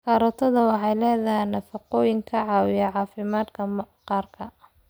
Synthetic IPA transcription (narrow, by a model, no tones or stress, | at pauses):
kaːɾɔt̪ʰɔðɐwɑħɑjlɛːðɐɦɛjnɐfɑqɔːjɪŋkʰɐʕɑːwɪjɐʕɑːfɪmaːd̪kʰɐqɑːrkʰɐ